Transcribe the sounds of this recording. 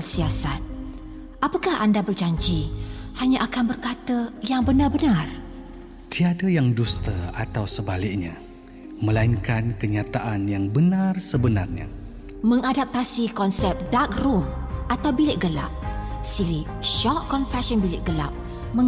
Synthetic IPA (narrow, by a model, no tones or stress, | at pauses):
lsiasat̪̚ | ʔapəkahʔandabərd͡ʒaɲd͡ʒihaɲãʔakanbərkat̪əjaŋbənarbənar | t̪iadajaŋdust̪əat̪awsəbalɪk̚ɲa | mə̃lainkankəɲat̪aʔanjaŋbənarsəbənarɲa̰ | mə̃ŋadap̚t̪asikɔnsɛp̚dak̚rumʔat̪awbilɪʔ̚ɡəla̰p̚siɾiʃɔʔ̚kɔnfɛsɔnbilɪʔ̚ɡəla̰p̚ | mə̃